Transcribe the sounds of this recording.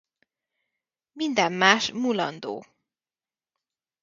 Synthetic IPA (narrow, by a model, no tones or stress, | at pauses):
mind̪ɛmːaːʃmulɒ̰nd̪o̰ː